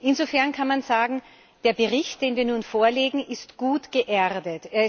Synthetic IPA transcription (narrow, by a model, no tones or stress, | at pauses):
ʔɪnzofɛɐnkʰanmanzaːɡŋ̩ | d̥eːɐbəʁɪçt̚d̥eːnviːɐnuːnfoːɐleːɡŋ̩ʔɪstɡ̥uːtɡ̥əʔɛʁdəteːɐ